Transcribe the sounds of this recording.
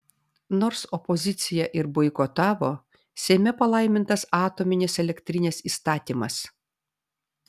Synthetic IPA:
nɔːɾsɔpɔzʲɪt̪sʲɪjɛʔɪɾbɔɪkɔt̪ɑːʋoː | sʲɛɪmʲɛpɐlˠɐɪmʲɪnt̪ɐsɑːt̪oːmʲɪnʲɪsɛlʲɛkʲt̪ʲɾʲɪnʲeːsiːst̪ɑːt̪ʲiːmɐs

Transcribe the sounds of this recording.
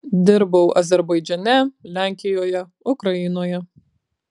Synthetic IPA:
d̪ʲɪɾbɐʊʔɐzʲɛɾbɐɪd͡ʒʲɛnʲɛlʲæˑŋʲkʲɪjoːjɛ | ʊkɾɐjɪnoːjɛ

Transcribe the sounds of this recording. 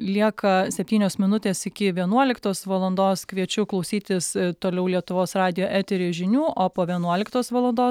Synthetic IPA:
lʲiɛkɐsʲɛpʲt̪ʲiːnʲoːsmʲɪnʊt̪ʲeːsɪkʲɪʋʲiɛnuɔlʲɪkt̪oːsʋɐlˠɐnd̪oːskʋʲiɛt͡ʃʲʊklˠɐʊsʲiːt̪ʲɪst̪oːlʲɛʊlʲiɛt̪ʊʋoːsrɑːd̪ʲɪjoːʔæt̪ʲɛɾʲɪʒʲɪnʲuːʔoːpoːʋʲiɛnuɔlʲɪkt̪oːsʋɐlˠɐnd̪oː

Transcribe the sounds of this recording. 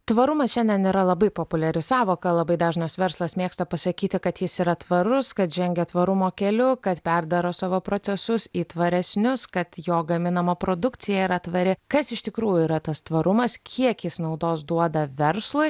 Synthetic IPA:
t̪ʋɐɾʊmɐsʃʲɛnʲdʲɛniːɾɐlˠɐbɐɪpoːpʊlʲɛɾʲɪsɑːʋoːkɐlˠɐbɐɪd̪ɑːʒnɐsʋʲɛɾslˠɐsmʲeːkst̪ɐpɐsɐkʲiːt̪ʲɪkɐt̪jɪsiɾɐt̪ʋɐɾʊskɐt̪ʒʲɛŋʲɡʲɛt̪ʋɐɾʊmoːkʲɛlʲʊkɐt̪pʲɛɾd̪ɐɾoːsɑːʋoːpɾoːsʲɛsʊsiːt̪ʋɐɾʲɛsʲnʲʊskɐt̪joːɡɐmʲɪnɐmɐpɾoːd̪ʊkt̪sʲɪjɛiɾɐt̪ʋɐɾʲɪkɐsɪʃt̪ʲɪkɾuːjʊiːɾɐt̪ɐst̪ʋɐɾʊmɐskʲʰiɛkjɪsnɐʊd̪oːsd̪uɔd̪ɐʋʲɛɾslˠʊɪ

